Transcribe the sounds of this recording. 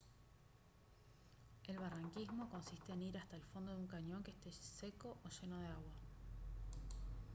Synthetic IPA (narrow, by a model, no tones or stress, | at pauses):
e̞lβaraŋkizmo̞ko̞nsist̪e̞ːniɾast̪aelfo̞nd̪oðuŋkaɲõ̞ŋkest̪eseko̞ʔoʃe̞no̞ð̞eaɣwa